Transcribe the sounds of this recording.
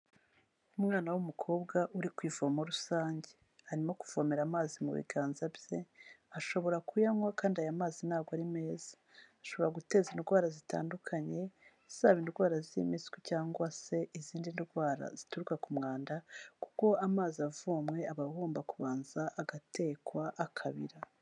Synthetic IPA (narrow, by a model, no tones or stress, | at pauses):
umŋaːnawumukʰo̞ːbɡaʔuɾikwiːvomoɾusaːɲɟe̞ | aɾimakuvomeɾamaːzimṵβḭɡaːnzabje̞aʃo̞βo̞ɾakujamwakaːndiajamaːzinaːɡwaɾime̞ːz̥ḁː | ʃo̞βo̞ɾaɡute̞ːzinɡwaːɾazita̰ːndukʰaɲe̞ | z̥aːβindɡwaːɾaziḭmiskwicaːŋɡwase̞ʔiziːndinɡwaːɾa̰z̥ituɾukakumŋaːndaku̥ko̞amaːziavuːmŋe̞aβahuːmbakuβaːnzaʔːɡate̞ːkwaʔakʰaβiɾa